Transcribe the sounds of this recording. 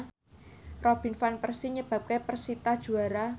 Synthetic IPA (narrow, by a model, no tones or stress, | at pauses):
rɔb̥i̤nfanpərsiɲəb̥ä̤p̚kepərsit̪ad̥ʒ̥ṳaɾa